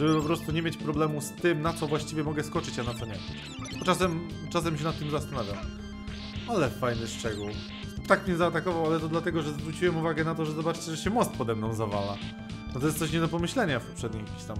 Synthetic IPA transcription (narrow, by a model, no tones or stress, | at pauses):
ʐɛbɘpɔpɾɔst̪uɲɛmʲjet͡ɕpɾɔblɛmust̪ɘmnat̪sɔvwaɕt͡ɕivʲjɛmɔɡɛskɔt͡ʂɘt͡ɕanat̪sɔɲɛ | bɔt͡ʂasɛm | t͡ʂas̬ɛmɕ̬ɛnat̪ːɘmzast̪anavʲjaw | alɛfajnɘʂt͡ʂɛɡuw | t̪akmʲɲɛzaːt̪akɔvawalɛt̪ɔd̪lat̪ɛɡɔʐɛzvɾut͡ɕiwɛmuvaɡɛnat̪ɔʐɛzɔbat͡ʂt͡ɕɛʐɛɕɛmɔst̪̚pɔd̪ɛmnɔ̃w̃zavala | nɔt̪ɔjɛst̪ɔɕ̬ɲɛd̪ɔp̬ɔmɘɕlɛɲafpɔ̥pʂɛd̪ɲijakʲiɕt̪am